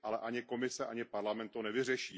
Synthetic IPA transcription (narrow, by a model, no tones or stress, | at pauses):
ʔalɛʔaɲɪko̞mɪsɛʔaɲɪpaɾlamɛnt̪onɛvɪr̝ɛʃiː